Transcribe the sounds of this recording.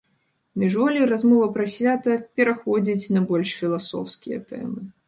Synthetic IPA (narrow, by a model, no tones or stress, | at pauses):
mʲiʐvɔlʲirazmɔvɐpɾɐsʲvʲat̪ɐpʲɛɾaxɔd͡zʲit͡sʲnɐbɔlʲʂfʲilˠasɔ̰wskʲijɐ̰t̪ɛ̰mɨ